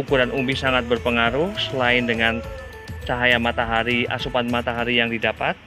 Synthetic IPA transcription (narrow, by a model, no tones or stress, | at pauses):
ukuɾanʔumbisaŋat̪̚bərpəŋaɾusəlaɪndəŋan | t͡ʃaɦajamat̪aɦaɾia̰supanmat̪aɦaɾijaŋdidapat̪̚